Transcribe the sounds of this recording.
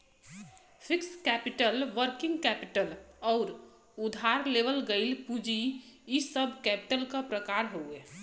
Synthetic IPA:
pʰɪkskɛpiʈəlʋəɾkɪ̃ŋɡkɛpiʈəlɔːɾ | ud̪ʱaɾleʋəlɡəɪlpud͡ʒiisəbʱkɛpi̥ʈəlkapɾəkaɾɦoe

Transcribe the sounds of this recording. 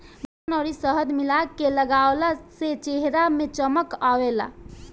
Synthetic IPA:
banɔɾisəɦəd̪milakeləɡaʊlaset͡ʃeɦɾamet͡ʃəməkawela̰

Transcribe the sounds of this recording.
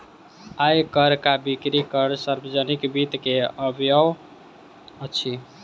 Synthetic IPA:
ajkəɾkabikɾikəɾsəɾbəd͡ʒənikbit̪keəbjəw | ət͡ʃʰi

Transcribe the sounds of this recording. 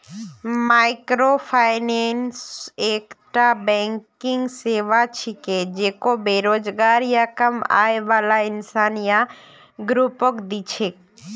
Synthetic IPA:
maːɪkɾopʰaːɪnenseːkʈabɛ̃ŋkɪŋɡseːʋat͡ʃʰiked͡ʒekobeːɾoːd͡ʒɡaːɾjakəma̰ːeʋaːlaɪnsaːnja | ɡɾupokd̪it͡ʃʰek

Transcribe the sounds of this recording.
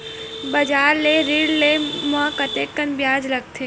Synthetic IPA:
bɐd͡ʒaːɾleɾiɽlemə̃kət̪ekːənbjaːd͡ʒlɐɡ̚t̪ʰeː

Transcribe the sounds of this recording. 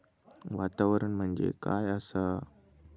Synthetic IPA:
ʋat̪aʋəɾəɳm̤əɳd͡ʑḛkajəsa

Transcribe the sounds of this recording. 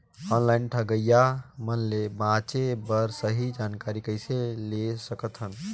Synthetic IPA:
ɔnlainʈʰəɡəjamənlebãt͡ʃebəɾsəɦid͡ʒankaɾikəɪselesəkət̪ɦən

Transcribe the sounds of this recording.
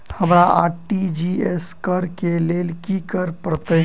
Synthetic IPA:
hɐmɾaa̰ːʈid͡ʒieskəɾkeleːlkikəɾpɾət̪ə

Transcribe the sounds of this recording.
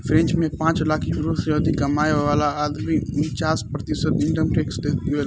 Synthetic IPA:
fʰɾẽnt͡ʃmẽpãːt͡ʃlaːkibɾoːsjoːd̪ikɐmaːjʋʋaːlaːd̪mimɪt͡ʃaːspɾɐt̪ɪsət̪ɪɳʈəmʈeːksd̪eːt̪uʋe

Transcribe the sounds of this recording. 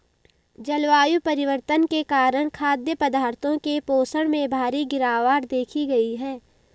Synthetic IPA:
d͡ʒɐlʋaːjupɐɾɪʋəɾt̪ənkekaːɾəɽ̃kʰaːd̪jəpɐd̪aːɾt̪ʰõkepoːsəɽ̃mẽbʱaːɾiɡɪɾaːʋaːɾd̪eːkʰiɡɐiɦɛː

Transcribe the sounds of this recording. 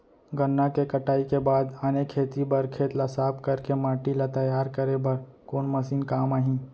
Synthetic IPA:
ɡənːakekəʈaːikebaːd̪aːnekʰeːt̪ibɐɾkʰeːt̪lasaːpkɐɾkemaːʈilat̪ɐjaːɾkəɾebɐɾ | koːnmɐsiːnkaːmaːɦĩ

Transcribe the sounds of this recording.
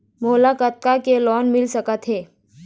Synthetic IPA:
moːlakət̪̚kakelɔːnmɪlsəkət̪ɦeː

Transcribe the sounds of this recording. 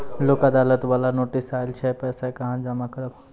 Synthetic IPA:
loːkəd̪aːlət̪ʋaːlanoːʈisaːɪlt͡ʃʰɛpɛːsakɐɦãd͡ʒamakəɾəb

